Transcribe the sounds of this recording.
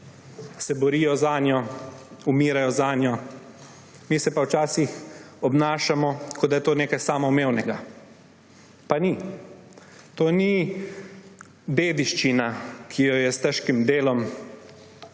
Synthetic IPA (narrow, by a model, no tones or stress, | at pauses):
sɛbɔɾiːjɔzaːnjɔumiːɾajɔzaːnjɔ | miːsɛpawt͡ʃaːsix | ɔbnaːʃamɔkʰɔd̪ajɛt̪oːneːkajsaːmɔmeːwnɛɡa | pani | t̪oːni | d̪eːd̪iʃt͡ʃinakʰijɔjɛst̪ɛʃkimd̪eːlɔm